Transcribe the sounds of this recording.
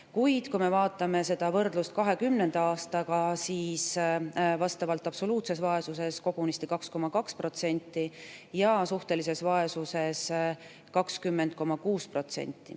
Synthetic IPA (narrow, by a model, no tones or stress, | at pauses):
kujd̪̥kume̞vɑːt̪ːˑɑme̞se̞d̪̥ɑvɤrd̪lust̪̚kɑɦe̞kymne̞nd̪̥ɑɑːst̪ɑɡɑsiːsvɑst̪ɑvɑlt̪ːˑɑb̥so̞luːt̪se̞svɑe̞suse̞sko̞ɡ̥unist̪ikɑksko̞mːɑkɑkspro̞t̪se̞nʲt̪ːijɑsuht̪e̞lis̬e̞svɑe̞suse̞s | kɑkskymːe̞nd̪̥̚ko̞mːɑkuːspro̞t̪se̞̰nʲt̪ːˑḭ